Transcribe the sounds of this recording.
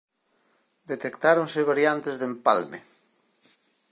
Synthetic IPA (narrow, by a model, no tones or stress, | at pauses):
d̪et̪ekt̪aɾoŋsɪβ̞aɾjant̪ezðempa̰lmḛ